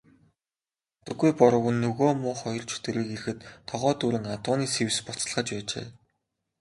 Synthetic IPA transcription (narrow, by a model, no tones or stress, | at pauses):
t̪ɘ̆ɡujpɔɾʊ̆ɣŭnːɵɣoːmʊːχɔjɞ̆rt͡ɕʰɵ̥t̪ɵ̆ɾiːkeɾɘ̆xɘ̆t̪ʰːɔʁɔːt̪uːɾɘ̆ŋat̪ʊːniːsewspɔt͡s̆ɮʁə̆t͡ɕpæːt͡ɕḛː